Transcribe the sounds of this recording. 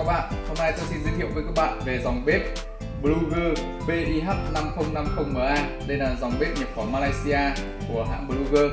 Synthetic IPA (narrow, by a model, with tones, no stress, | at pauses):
aː˦˥k̚ɓa̰ː˧˨nho˧mna˧jt̪ɔː˧si˧nzi˧˦t̪ʰḭ˧˨əwvəː˨˦jkaː˦˥k̚ɓa̰ː˧˨nve˨˩za˨˩wŋ͡mɓe˦˥t̚ | ɓlu˧ɣəː˧ | ɓe˧ɗi˧ɦa˦˥p̚na˧mxə˧wŋ͡mna˧mxə˧wŋ͡mməː˨˩ʔaː˧ | ɗə˧jlaː˨˩za˨˩wŋ͡mɓe˦˥p̚ɲə˨˩p̚fɔ˨˦maː˧laː˧jsi˧ʔaː˧ | ku˧˩əɦa̰ː˧˨ɓə˧lu˧ɣəː˧